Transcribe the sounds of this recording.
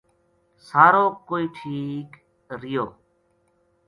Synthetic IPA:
saːɾoːkoːiːʈʰiːk | ɾɪjoː

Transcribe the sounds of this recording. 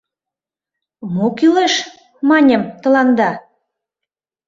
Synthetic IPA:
mokyleʃ | mɑnʲə̆mt̪ə̆lɑnd̪ɑ

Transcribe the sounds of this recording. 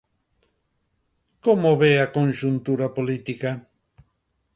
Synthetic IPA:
komoβeakonʲʒunt̪uɾapolit̪ika

